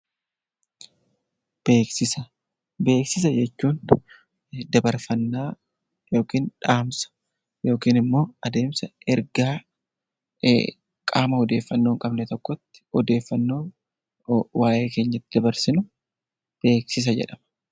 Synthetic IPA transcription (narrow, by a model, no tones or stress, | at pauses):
b̥e̞ːksɪsɐ | be̞ːksɪs̬ɐd͡ʒɛt͡ʃːuːn | d̪ɐbɐɾfɐnːaː | jo̞ːkiːnᶑaːmsɐ̥ | jo̞ːkiːnɪmːo̞ːɐd̪e̞ːmsɐɛɾɡaː | kʼaːmɐhɔd̪e̞ːfːɐnːoːŋkʼɐbnɛt̪ɔkːɔt̪ːɪ̥ɔd̪e̞ːfːɐnːo̞ː | waːʔe̞ːke̞ːɲːɐt̪ːɪd̪ɐbɐɾsɪnʊ | b̥e̞ːksɪs̬ɐd͡ʒɛ̰ᶑɐmɐ̥